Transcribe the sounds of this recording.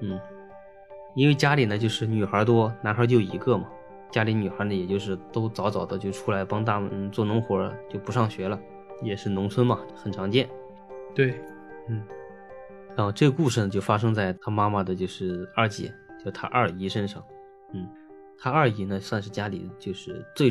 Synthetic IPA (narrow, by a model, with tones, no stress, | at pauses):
n̩˥˩ | i˥nwe˥˧ɪt͡ɕja˥li˨˩nə˦t͡ɕjo˥˧ʊʂɻ̩˥˩ny˨˩xə˞˧˥t̪̬wɔ˥na˧˥nxə˞˧˥t͡ɕjo˥˩ʊḭ˧˥ɡɤ˥˧mɐ˩ | t͡ɕja˥li˧˥ny˨˩xə˞˧˥nə˧jɛ˨˩t͡ɕjo˥˧ʊʂ̬ɻ̩˥˩t̪o˥ʊt͡sɑ˧˥ʊt͡sɑ˨˩ʊd̪ə˦t͡ɕjo˥˧ʊʈ͡ʂʰu˥la˧˥ɪpɑ˥ŋt̪a˥˩m̰˧˥t͡swɔ˥˩nʊ˧˥ŋxwɔ˧˥ə̰˧t͡ɕjo˥˧ʊpu˧˥ʂɑ˥˩ŋɕɥɛ˧˥lə˧ | jɛ˨˩ʂɻ̩˥˩nʊ˧˥ŋt͡sʰwə˥nmɐ˨xə˨˩nʈ͡ʂʰɑ˧˥ŋt͡ɕjɛ˥˩n | t̪we˥˩ɪ | n̩˥˩ | ə˥˧˩ʈ͡ʂɤ˥˧ɡə˧ku˥˧ʂɻ̩˥˩nə˩t͡ɕjo˥˩ʊfa˥ʂɤ˥ŋt͡sa˥˩ɪt̪ʰa˥ma˥ma˨d̪ə˩t͡ɕjo˥˧ʊʂɻ̩˥˩ə˞˥˩t͡ɕjɛ̰˨˧˥t͡ɕjo˥˧ʂt̪ʰa̰˥ʔə˞˥˩i˧˥ʂə˥nʂɑ˥˩ŋ | n̩˥˩ | t̪ʰa˥ɐ˞˥˩i˧˥nə˧swa˥˧nʂɻ̩˥˩t͡ɕja˥lḭ˨˩t͡ɕjo˥˧ʊʂɻ̩˥˧t͡swe˥˩ɪ